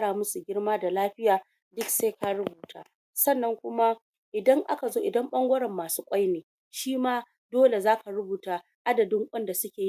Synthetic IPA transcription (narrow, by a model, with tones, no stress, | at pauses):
kɽaː˨mʊ˦su˨ɡʲɪ˦ɽmaː˦da˨laː˦ɸɪ˦jaː˨ | dʊ˦kseː˦ka˦ɽʊ˦buː˨ta̰ː˦ | sɐ˦˨nːɐ˦ŋkʷʊ˦ma˦ | ʔɪ˨dɐ˦ŋʔa˦ka˨zoː˦ʔɪ˨dɐ˦mɓɐ˦ŋɡʷɐ˦ɽɐ˨mːaː˨suː˦kʷʼa˦jneː˨ | ʃiː˦maː˦ | doː˦le˨zaː˦ka˨ɾʊ˦buː˨ta˨ | ʔa˦dɐ˨dɪ˦ŋkʷʼɐ˦nda˨sʊ˦kʲeː˨ji˦